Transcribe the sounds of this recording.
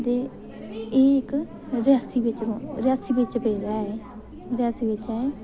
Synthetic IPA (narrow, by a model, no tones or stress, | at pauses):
d̪eː | ek | ɾɪjaːsiːʋɪt͡ʃɾ̃ɾɪjaːsiːbɪt͡ʃpəiːɾaːɛː | ɾɪjaːsiːʋɪt͡ʃɛe